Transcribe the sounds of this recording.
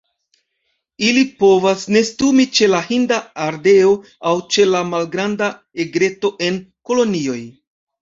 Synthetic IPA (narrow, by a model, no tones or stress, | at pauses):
ilipo̞vasne̞stumit͡ʃe̞lahindaaɾde̞o̞ | awt͡ʃe̞lamalɡɾanda | eɡɾe̞to̞ʔe̞nko̞lo̞nio̞j